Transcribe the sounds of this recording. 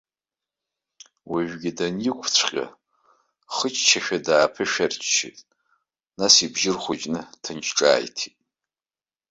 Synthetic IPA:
wiʒᶣɡʲidanjikʷʰt͡ɕʷʰqʲʼa̰ | χət͡ʃʰʼt͡ʃʰaʃᶣadaːpʰɨʃᶣart͡ʃʰʼt͡ʃʰḭtʼ | nasibʒɪrχʷad͡ʒʼnɨtʰɨnt͡ʃʰʈ͡ʂʼa̰ːjtʰitʼ

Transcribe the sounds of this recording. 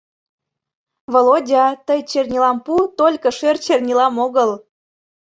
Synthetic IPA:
volodʲɑt̪əjt͡ɕernʲilɑmput̪olʲkɤ̆ʃørt͡ɕernʲilɑmoɣəl

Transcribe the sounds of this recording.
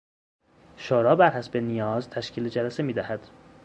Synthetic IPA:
ʃoːɾɒːbæɾhæsbenijɒːzt̪ʰæʃkcʰiːled͡ʒælæsemiːd̪æhæd̪̥

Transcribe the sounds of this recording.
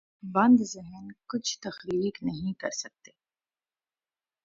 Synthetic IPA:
bɐ̃nd̪zɪɦnkʊt͡ʃʰt̪ɐxɾiːknɐɦĩkɐ̰ɾsɐk̚t̪eː

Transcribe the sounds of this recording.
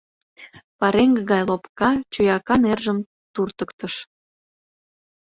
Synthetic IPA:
pɑɾeŋɡəɣɑjlopkɑt͡ɕujɑkɑnerʒəm | t̪urt̪əkt̪əʃ

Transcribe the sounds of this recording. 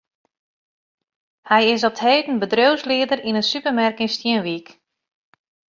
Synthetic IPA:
hɛjɪsɔp̚theːtən̩bədrøwslɪədərinənsypərmɛrkəŋstjənʋik

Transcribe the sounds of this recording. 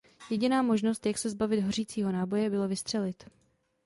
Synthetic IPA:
jɛɟɪnaːmo̞ʒno̞st̪jaksɛzbavɪd̪ɦor̝iːt͡siːɦo̞naːbo̞jɛbɪlo̞vɪst̪r̥ɛlɪt̪

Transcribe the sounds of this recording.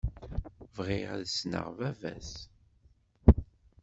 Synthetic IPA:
vʁɪʁa̰ðsnə̰ʁvævæ̰s

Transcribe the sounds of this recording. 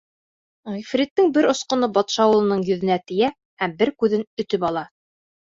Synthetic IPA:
ʁifɾʲit̪ːɘŋbɘɾŏsqŏnɤbɑt̪ʃɑːw̆lˠɤ̆nɤɴjɵ̆ðɘ̆næt̪ɘ̆jæ | hæmbɘɾkʉðɘnɵ̆t̪ɵpɑlˠɑ

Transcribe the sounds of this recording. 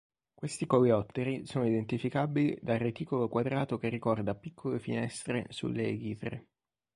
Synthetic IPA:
kwest̪ikojɔt̪ːeɾisoːnoid̪ent̪ifikabilid̪arːet̪iːkolokwad̪ɾaːt̪okerːikɔrd̪apikʰːolefḭnɛst̪ɾḛsṵlːeɡiːt̪ɾḛ

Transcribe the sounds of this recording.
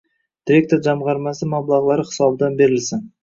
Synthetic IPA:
d̪̥iɾʲe̞k̚t̪oɾd͡ʒamʁɑɾmasɪmablˠaʁlˠaɾɪχɪ̥sɒbɪd̪anbe̞ɾɪlsɪn

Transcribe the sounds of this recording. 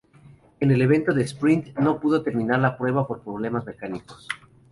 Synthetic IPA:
ene̞le̞β̞e̞nt̪o̞ðespɾint̪no̞puð̞o̞t̪e̞ɾmĩnaɾlapɾwe̞βapo̞ɾpɾo̞β̞le̞mazme̞kaniko̞̥s

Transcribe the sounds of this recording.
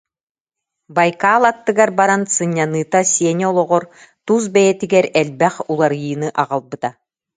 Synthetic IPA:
bajkaːlˠat̪ːɯɡaɾbaɾansɯɲʲːanɯːt̪asʲiɛnɔlˠɔʁɔɾt̪us̬bɛjɛt̪iɡɛɾɛlbɛχulˠaɾɯjɯnɯʔaʁalˠbɯt̪a

